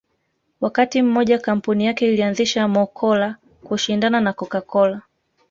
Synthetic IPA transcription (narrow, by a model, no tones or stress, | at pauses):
wakatim̩mɔʄakam̩punijakɛilianziʃamɔkʰɔla | kuʃindananakɔkakɔla